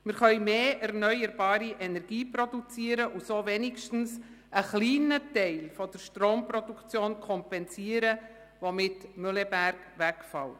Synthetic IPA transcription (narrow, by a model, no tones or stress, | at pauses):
mɪɾχœʏmeːʔɛɾnœʏəɾbɑːɾiʔɛnɛɾɡ̥iːprɔdut͡siəɾəʔusoːvɛnɪkʃtn̩s | ʔəχliːnətɛɪlfɔd̥əɾʃtroːmprɔdukt͡sjoːnkʰɔmpɛnsiəɾə | ʋomɪtmølɛbæɾkʋækfɑl